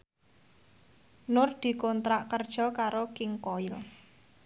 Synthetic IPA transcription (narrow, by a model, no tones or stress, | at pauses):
nʊrd̪̥i̤kɔnt̪ɾaʔkərd̥ʒ̥ɔ̤kaɾokɪŋkɔɪl